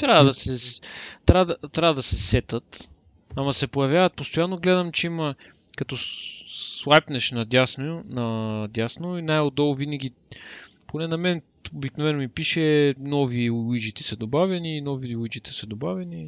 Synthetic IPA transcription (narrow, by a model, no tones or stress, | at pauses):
t̪ɾavɐd̪ɐsɛt̪ɾavd̪ɐt̪ɾavɐd̪ɐsɛsɛt̪ət̪ | ɐmɐsɛpojɐvjavɐt̪̚post̪ojanːoɡlɛd̪ɐmt͡ʃɛimɐ | kɐt̪ɔ | slˠajpnɛʃnɐd̪ʲasnojʊnɐd̪ʲjasnʊjinajod̪ɔlˠvinɐɡʲi | ponɛnɐmɛn | obiknovɛnomipiʃɛnɔviwid͡ʒit̪ɛ̥sɐd̪obavʲɐniːnɔviwid͡ʒit̪ɛ̥sɐd̪obavʲɛni